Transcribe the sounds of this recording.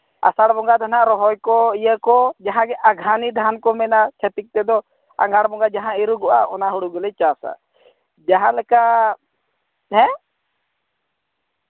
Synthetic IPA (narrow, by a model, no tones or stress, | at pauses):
a̰saɽbɔŋɡat̪ʰanaɾɔɦɔjkɔijəkɔd͡ʒaɦãɡɛʔaɡʱanid̪ʱankɔmɛnat͡ʃʰat̪ik̚t̪ɛd̪ɔ | a̰ŋɡaɽbɔŋɡad͡ʒaɦãiɾuɡɔʔa̰ɔnaɦuɽuɡɔlɛt͡ʃasa̰ | d͡ʒaɦãlɛkaʔ | ɦɛ̃